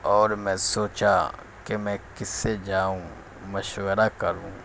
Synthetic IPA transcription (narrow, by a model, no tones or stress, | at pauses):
ɔːɾmɛ̃ːsoːt͡ʃa | kemɛ̃ːkɪsːed͡ʒaːũ | mɐʃwəɾakɐɾũː